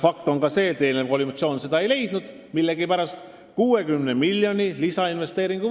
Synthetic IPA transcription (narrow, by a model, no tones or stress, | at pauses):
fɑkt̪o̞ŋkɑse̞ːt̪e̞ːnnekolʲimut̪sijo̞ːnse̞d̪ɑe̞jle̞jd̪̥nud̪̥ | milːe̞ɡipæɾɑst̪ | kuːe̞kymnemilːjo̞nʲilisɑinve̞st̪e̞ːɾiŋɡ̥u